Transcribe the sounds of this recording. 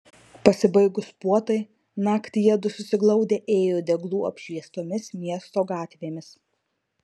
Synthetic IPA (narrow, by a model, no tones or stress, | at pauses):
pɐsʲɪbɐɪɡʊspuɔt̪ɐɪ | nɑːkt̪ʲɪjɛd̪ʊsʊsʲɪɡlˠɒʊd̪ʲeːʔeːjoːd̪ʲɛɡlˠuːɐ̰pʲʃʲʋʲiɛst̪oːmʲɪsmʲiɛst̪oːɡɑːt̪ʲʋʲeːmʲɪs